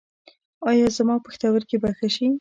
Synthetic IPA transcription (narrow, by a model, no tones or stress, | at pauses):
ɑjɑzmɑpəxt̪awəɾkebaxaʃi